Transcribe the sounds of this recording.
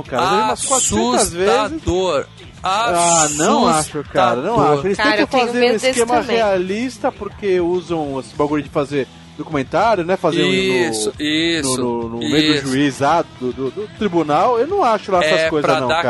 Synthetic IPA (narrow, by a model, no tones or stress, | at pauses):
ɐ̃w̃kaɾɐẽmaskasũɐzvezɪsoɾ | anɐ̃w̃aʃʊkaɾɐnɐ̃w̃aʃʊelɪstẽjk̪ɐ̃w̃fãzeɾ̃iskẽmɐʁealist̪ɐpoɾkeuzɐ̃w̃asĩbaɡuɾid͡ʒɪfazeɾ | d̪okumẽnt̪aɾjʊnɛfazẽnd̪ʊnʊsinʊnʊnʊmejʊd̪ʊʒuizlad̪d̪ʊd̪ʊd̪ʊt̪ɾibunawewnɐ̃w̃aʃʊlaɛɐskojzɐɐnɐ̃w̃kka